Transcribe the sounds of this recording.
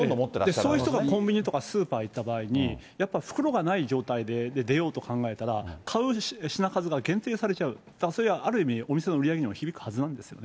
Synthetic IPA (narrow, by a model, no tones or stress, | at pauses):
oomot̪ːeɾad̪eso̞ːjiçit̪oɡakõ̞mbʲiɲ̟it̪o̞kasɨːpaːit̪ːabaːiɲ̟i | japːaɸɯ̟̥kɯ̟ɾo̞ɡanaid͡ʑo̞ːt̪aid̪e̞d̪ed̪e̞jo̞ːt̪o̞kʰãŋɡae̞t̪aɾakʰaɯ̟ɕinakazɨɡaɡẽ̞nt̪e̞ːsaɾe̞t͡ɕaɯ̟ | d̪̥akaso̞ɾeβaʔaɾɯ̟imʲio̞mʲise̞no̞ɯɾʲijaɡe̞ɲimoçibʲikɯ̟hazɨnãnd̪e̞sɨ̥jo̞̰ne